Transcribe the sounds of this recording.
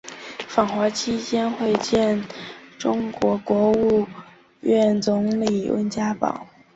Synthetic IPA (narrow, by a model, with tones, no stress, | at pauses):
fɑ˨˩ŋxwa˧˥t͡ɕʰi˥t͡ɕjɛ˥nxwe˥˧ɪt͡ɕjɛ˥˩nʈ͡ʂʊ˥ŋkwɔ˧˥kwɔ˧˥u˥˧ | ɥɛ˥˩nt͡sʊ˧˥ŋli˨˩wə̰˧˥nt͡ɕja˥pɑ̰˨˩˦ʊ